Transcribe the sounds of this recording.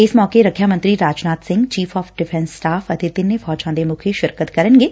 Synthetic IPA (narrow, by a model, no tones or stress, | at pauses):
ɪsmɔːkeɾɐkʰjamə̃nt̪ɾiɾaːd͡ʒnaːt̪sɪ̃ŋɡt͡ʃiːfɔːfɖɪfʰɛ̃nsːʈaːfɐt̪ɪt̪ɪnːefɔːt͡ʃãːnd̪emʊkʰiʃɪɾkət̪kɐɾə̃nɡeː